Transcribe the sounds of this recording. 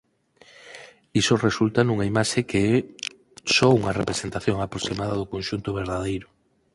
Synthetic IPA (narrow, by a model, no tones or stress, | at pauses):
isoresult̪anuŋaimaʃekeɛ | sɔuŋɐrepɾesent̪aθjoŋapɾosimaðaðʊkonʃunt̪oβ̞eɾðað̞ejɾʊ